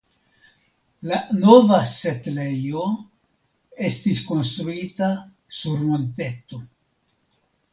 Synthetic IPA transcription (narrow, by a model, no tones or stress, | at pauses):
lano̞vase̞tle̞jo̞ | e̞stisko̞nst̪ɾuita | suɾmo̞nte̞t̪o̞